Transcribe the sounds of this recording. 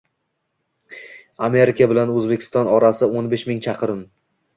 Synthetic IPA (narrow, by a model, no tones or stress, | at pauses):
ame̞ɾɪkʰʲabɪlanɵzbekʲʰɪ̥st̪ɒnɒɾasɪonbeʃmɪŋt͡ʃʰɑqʰɨɾɪm